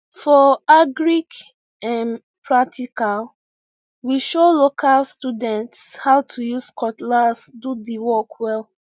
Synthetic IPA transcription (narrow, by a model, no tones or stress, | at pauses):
fɔaɡɹik | ãn | pʰɹatʰikal | wiʃolokʰalstudɛ̃ntshaʊtʰujuskʰɔtlasdudiwɔkwɛl